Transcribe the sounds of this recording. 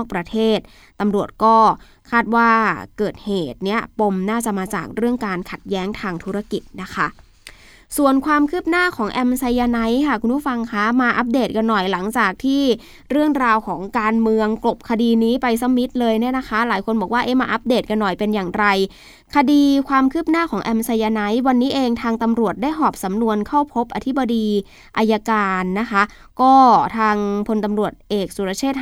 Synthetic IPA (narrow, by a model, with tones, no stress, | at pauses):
ɔ˥˩k̚pɾa˧t̪ʰeː˥˩t̪̚ | t̪ːa˧mɾu˨˩ət̪̚kɔː˥˩ | kʰaː˥˩t̪̚waː˥˩kɤː˨˩t̪̚heː˨˩t̪̚ni˦˥ɐpo˧mnaː˥˩t͡ɕa˨˩maː˧t͡ɕaː˨˩k̚ɾɯ˥˩əŋkaː˧nkʰa˨˩t̪̚jɛː˦˥ŋt̪ʰaː˧ŋt̪ʰuː˦˥ɾa˧ki˨˩t̪̚na˦˥kʰa˦˥ʔ | su˨˩ənkʰwaː˧mkʰɯː˥˩p̚naː˥˩kʰɔː˩˦ŋʔɛ˧msa˧jːa˧na˦˥jkʰa˥˩kʰu˧npʰu˦˥˩fa˧ŋkʰa˦˥maː˧ʔa˦˥p̚deː˨˩t̪̚ka˧nːɔ˨˩jla˩˦ŋt͡ɕaː˨˩k̚t̪ʰiː˥˩ | ɾɯ˥˩əŋɾaː˧wkʰɔː˩˦ŋkaː˧nmɯ˧əŋklo˨˩p̚kʰa˧diː˧niː˦˥pa˧jsa˧˥mi˦˥t̪̚lɤː˧jni˥˩ɐna˦˥kʰa˦˥laː˩˦jkʰo˧nbɔː˨˩k̚waː˥˩ʔeː˦˥˩maː˧ʔa˦˥p̚deː˨˩t̪̚ka˧nːɔ˨˩jpe˧njaː˨˩ŋɾa˧j | kʰa˧diː˧kʰwaː˧mkʰɯː˥˩p̚naː˥˩kʰɔː˩˦ŋʔɛ˧msa˧jːaː˧na˦˥jwa˧nːiː˦˥ʔeː˧ŋt̪ʰaː˧ŋt̪a˧mɾu˨˩ət̪̚daː˥˩jɦɔː˨˩p̚sa˩˦mnu˧ənkʰa˥˩wpʰo˦˥p̚ʔa˧t̪ʰi˦˥ba˧diː˧ | ʔa˧jaː˧kaː˧nːa˦˥kʰa˦˥ʔ | kɔː˥˩t̪ʰaː˧ŋpʰo˧nt̪a˧mɾu˨˩ət̪̚ʔeː˨˩k̚su˨˩ɾa˧˥t͡ɕʰeː˥˩t̪̚